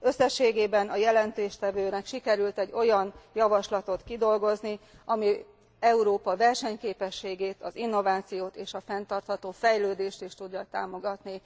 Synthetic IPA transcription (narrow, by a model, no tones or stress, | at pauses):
ø̞sːɛʃːeːɡeːbɛnɒjɛlɛnt̪eːʃt̪ɛvøːnɛkʃikɛɾylt̪ɛɟːo̞jɒnjɒvɒʃlɒt̪o̞t̪kid̪o̞lɡo̞zni | ɒmi | ɛuɾoːpɒvɛrʃɛɲkeːpɛʃːeːɡeːt̪ɒzinːo̞vaːt̪sijoːt̪eːʃɒfɛnt̪ɒrt̪hɒt̪oːfɛjløːd̪eːʃt̪iʃt̪uɟːɒt̪aːmo̞ɡɒt̪ni